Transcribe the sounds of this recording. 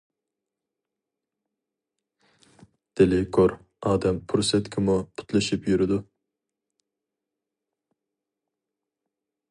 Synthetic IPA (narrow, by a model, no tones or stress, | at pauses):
d̪̥elɪkʰoɾ | ɑːd̪ɛmpʰuɾsɛt̪kʲʰɪmupʰʊ̥t̪ʰlˠɨʃipjyɾɪd̪u